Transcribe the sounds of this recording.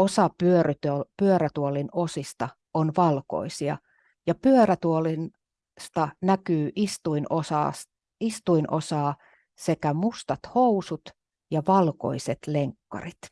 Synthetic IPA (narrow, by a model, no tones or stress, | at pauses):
osɑpyøryt̪øpyøɾæt̪uolinosist̪ɑ | onʋɑlko̰isiɑ̰ | jɑpyøræt̪uolin | st̪ɑnækyːʔist̪uinosɑ̰ːs | ist̪uinʔo̰sɑː | sekæmust̪ɑt̪housut̪ | jɑʋɑlko̰iset̪leŋkːɑ̰rit̪